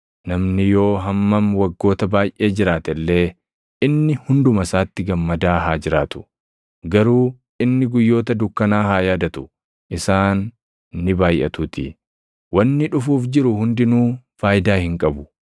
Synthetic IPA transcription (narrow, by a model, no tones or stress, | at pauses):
nɐmnɪjo̞ːɦɐmːɐmwɐɡːo̞ːt̪ɐbaːjʔe̞ːd͡ʒɪɾaːt̪ɛlːe̞ː | ʔɪnːɪhʊnd̪ʊmɐsaːt̪ːɪɡɐmːɐd̪aːɦaːd͡ʒɪɾaːt̪ʊ̥ | ɡɐɾuː | ʔɪnːɪɡʊjːo̞ːt̪ɐd̪ʊkːɐnaːhaːjaːd̪ɐt̪ʊ̥ | ʔɪsaːnː | ɪbaːjʔɐ̰t̪uːt̪ɪ̰ | wɐnːɪᶑʊfuːfd͡ʒɪɾʊhʊnd̪ɪnuː | faːjd̪aːhɪŋkʼɐbʊ̥